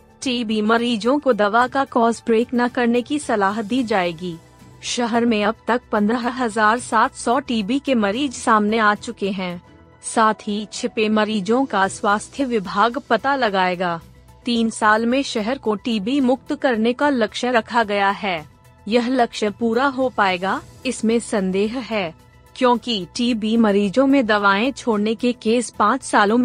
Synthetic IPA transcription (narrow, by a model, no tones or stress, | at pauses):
ʈiːbimɐɾiːd͡ʒõkod̪ɐʋakakɔːzbɾeːknakɐɾnekisɐlaːɦd̪iːd͡ʒaːeːɡiː | ʃɐɦɛɾmẽɐb̚t̪ɐk̚pɐ̃nd̪ɾəɦɐɦɐzaːɾsaːt̪ʰsɔʈiːbikemɐɾiːd͡ʒsaːmneaːt͡ʃʊkeɦɛ̃ː | saːt̪ʰit͡ʃʰɪpemɐɾiːd͡ʒõkaswaːst̪ʰjəʋɪbʱaːɡpɐt̪alɐɡaːeːɡaː | t̪iːnsaːlmẽʃɛɦɛɾkoʈiːbimʊkt̪kɐɾnekalɐkʃəɾɐkʰaɡɐjaɦɛː | jɐɦlɐkʃəpuːɾaɦopaːeːɡaɪsmẽsɐ̃nd̪eːɦɦɛː | kjõːkiʈiːbimɐɾiːd͡ʒõmẽd̪ɐʋaːẽt͡ʃʰoːɽnekekeːspãːt͡ʃsaːlõm